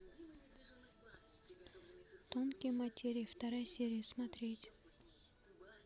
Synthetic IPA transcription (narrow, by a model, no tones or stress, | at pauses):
t̪omkʲijmɐtʲʰeɾʲift̪ɐɾajsʲeɾʲijɪsmɐt̪ɾʲetʲ